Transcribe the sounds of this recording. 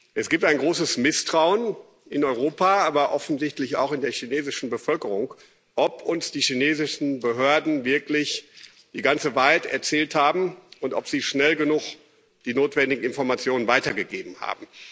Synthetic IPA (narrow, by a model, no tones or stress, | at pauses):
ʔɛsɡ̥iːp̚taɪnɡʁoːsəsmɪstʁ̥aʊən | ɪnɔʏʁ̞oːpaaːbɐʔɔfn̩zɪçtlɪça̰ʊxɪndeːɐçineːzɪʃn̩bəfœlkəʁʊŋk | ʔɔpʰʔʊnsd̥iːʃineːzɪʃn̩bəɦøːɐdn̩vɪɐklɪç | d̥iːɡant͡səvaːɐhatɛɐt͡sɛːlthaːbm̩ʔʊntʔɔ̰pz̥iːʃnɛlɡənʊχ | d̥iːnoːtv̥ɛndɪɡŋ̩ɪnfɔɐmat͡sjoːnənvaɪtɐɡəɡeːbm̩ha̰ːbm̩